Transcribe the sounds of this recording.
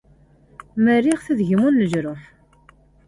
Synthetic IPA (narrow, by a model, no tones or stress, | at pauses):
məriʁθəðʝəmunləʒɾʊħ